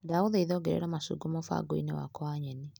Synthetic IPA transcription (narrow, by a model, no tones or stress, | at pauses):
daoðeiðɔːɡɛɾɛ̰ɾamasṵːɡomɔfa̰ɡoḭnewa̰kɔaɲɛni